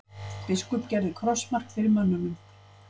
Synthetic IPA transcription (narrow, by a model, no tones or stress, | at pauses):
pɪskʏpcɛɾðɪkʰɾɔsmar̥kfɪɾɪɾmœnːʏnʏm